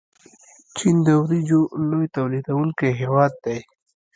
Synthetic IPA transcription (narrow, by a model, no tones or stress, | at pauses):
t͡ʃind̪ɐwɾid͡ʒolojt̪ɐwlid̪ɐwuŋkeɦewɑːd̪̚ːaj